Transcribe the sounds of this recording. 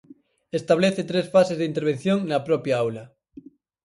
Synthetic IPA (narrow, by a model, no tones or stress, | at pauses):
est̪aβ̞leθet̪ɾesfasezðint̪eɾβ̞en̟θjoŋnapɾopjaawla